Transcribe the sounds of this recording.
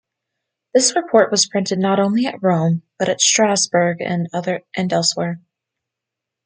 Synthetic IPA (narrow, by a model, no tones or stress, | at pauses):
ðɪsɹɨpʰɔɹʔ̚wʌz̥pʰɹ̥ɪ̃ntɨdⁿnəɾõʊ̃nliɨ̰t̚ɹõʊ̃mb̥ʌɾɨtstɹ̥æzbə˞ɡɨ̰̃nʌðə˞ʔɨ̃ndɛlˠswɛɹ